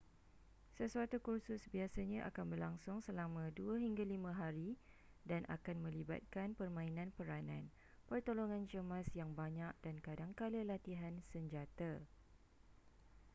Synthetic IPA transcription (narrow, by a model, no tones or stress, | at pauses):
səsuat̪ukursʊsbiasaɲãʔa̰kanbərlaŋsʊŋsəlamãduaɦiŋɡalimãɦaɾi | danʔa̰kanmə̃liba̰t̪̚kanpərmãinãnpəɾanã̰n | pərt̪oloŋãnt͡ʃəmãsjaŋbaɲak̚dankadaŋkaləlat̪iɦansəɲd͡ʒat̪a